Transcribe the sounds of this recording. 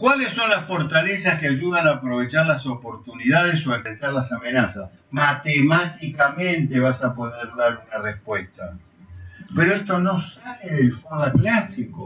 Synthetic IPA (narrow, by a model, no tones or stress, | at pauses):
kwalesːo̞nlasfo̞ɾt̪alesaskeaʒuðanaːpɾo̞β̞e̞t͡ʃaɾlaso̞po̞ɾt̪uniðað̞es̬oepet̪aɾlasamenasas | mat̪emat̪ikamẽ̞nt̪eβasapo̞ðeɾðaɾunarespwest̪a | peɾoest̪o̞no̞saleðelfaðaklasiko